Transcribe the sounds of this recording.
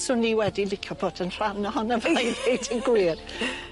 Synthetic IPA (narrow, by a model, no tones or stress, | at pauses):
sʊnːiːwɛdilɪkʰjɔboːdənr̥amnɔhɔnavajðedʰinɡwiːr